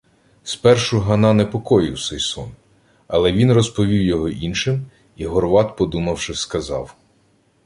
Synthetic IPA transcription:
spɛrʃʊɦɐnɑnɛpɔkɔjɪwsɛjsɔ̰n | ɐlˠɛʋʲinrɔspɔʋʲiwjɔɦɔʔinʃɪm | iɦɔrʋɑt̪pɔd̪umɐwʃɪskɐzɑ̰w

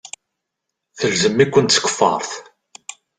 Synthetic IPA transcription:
θəlzəmːikʷːənt̪t͡sːkə̥fːɑ̰ɾˤθ

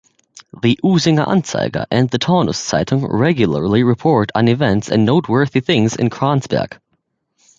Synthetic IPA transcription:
ðiʔuzɪ̃ŋã̰nsa̰ɪɡə̰ʔɨ̃nðɨtʰɔʊnə̰ssa̰ɪɾɪ̃ŋɹɛɡjl̩ˠə̰˞lˠiɹɨpʰɔɹɾn̩ɨvɛ̃ntsɨ̰̃nːoʊt̚wɜ˞θiθɪ̃ŋzɨ̰̃nkʰɹ̥ɑ̃nzbɛ̰ɡ̥

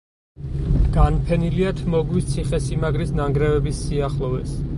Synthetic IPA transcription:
ɡ̥anpʰɛniliat̪ʰmɔɡwist̪sʰiχɛsimaɡɾisnaŋɡɾɛvɛbisːiaχlˠɔvɛ̰s

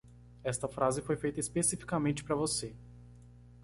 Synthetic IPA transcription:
ɛst̪ɐfɾazɪfojfejt̪ɐispesifi̥kamẽnt͡ʃɪ̥pɾɐvose

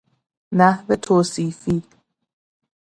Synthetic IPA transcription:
næhve̞t̪ʰoːsiːfiː

